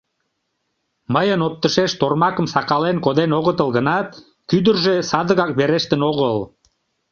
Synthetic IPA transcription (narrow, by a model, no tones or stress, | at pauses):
məjənop̚t̪əʃeʃt̪ormɑkəmsɑkɑlenkod̪enoɣət̪əlɣənɑt̪ | kyd̪ərʒesɑd̪əɣɑk̚beɾeʃt̪ənoɣəl